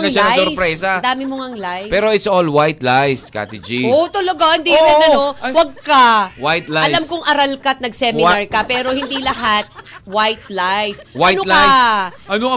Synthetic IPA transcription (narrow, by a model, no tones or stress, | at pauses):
ŋɐlʃanɐsʊɾspɾɛːsɐd̪aːmɪmoŋɐŋlajpɛːɾo̞ɪt̪solwajt̪lajska̰t̪id͡ʒiʔot̪oloɡand̪iɐɪnɐowɐɡ̚kawajt̪laɐjamkoŋʔɐɾɐlkat̪̚nɐɡsɛmɪnaɹkɐpɛːɾo̞hɪnd̪ilɐɦat̪̚wajt̪̚lajswajnolajʔɐno